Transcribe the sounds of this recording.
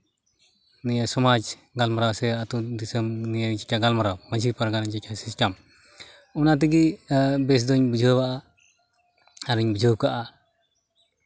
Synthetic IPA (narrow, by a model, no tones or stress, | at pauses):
nijasɔmad͡ʒ | ɡalmaɾawsɛat̪ud̪isəmnijad͡ʒikʲaɡalmaɾawmaɲd͡ʒipaɾɡanaɲd͡ʒikʰːasiskam | ɔnat̪̬iɡibɛs̬d̪ɔɲbud͡ʒʱəbaʔa | aɾiɲbud͡ʒʱəkaʔa